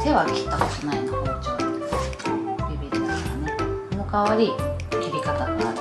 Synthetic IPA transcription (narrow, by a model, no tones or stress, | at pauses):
t̪eβakʲi̥t̪ːako̞t̪onainahot͡ɕoβt̪ːe | ɾʲibʲiɾd̪eskanemokaβaɾʲikʲibʲikat̪ana